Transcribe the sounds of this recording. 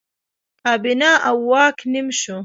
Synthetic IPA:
aːbinaːʔawːaːkʰnimʃu

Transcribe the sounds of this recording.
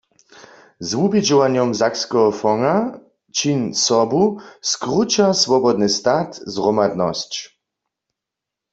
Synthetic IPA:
zvubid͡ʒɔvaɲjɔmzakskɔɦɔfɔŋa | t͡ʃinsɔbuskʁut͡ʃasvɔbɔd̪nɨst̪at̪zʁɔmad̪nɔst͡ɕ

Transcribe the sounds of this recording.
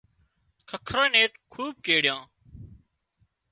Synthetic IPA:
kʰəkʰɾãːneːt̪kʰuːb̚keːɽɪjãː

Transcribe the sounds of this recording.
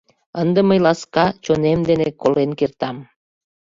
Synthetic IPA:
ənd̪ə̆məjlɑskɑt͡ɕonemd̪enekolenkert̪ɑm

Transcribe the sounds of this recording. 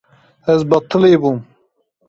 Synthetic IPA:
ɛzbɐt̪ːɨleːbum

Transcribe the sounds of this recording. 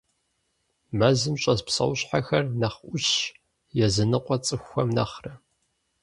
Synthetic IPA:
mɐzɨmɕʼɐspsɐ̰wɕħaxɐrnɐχʔʷʊɕ | jɛzɨnɨqʷʼɔt͡sʼɨxʷːɐmnɐ̰χrɐ

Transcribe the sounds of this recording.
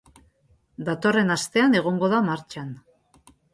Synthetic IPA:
d̪at̪o̞re̞nast̪e̞ane̞ɣ̞o̞ŋɡo̞ðamaɾt͡ʃan

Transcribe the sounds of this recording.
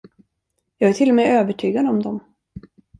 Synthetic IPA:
jɑːɡæʈʰɪlːɔmɛøːvəʈʰyːɡad̪ɔmd̪ɔm

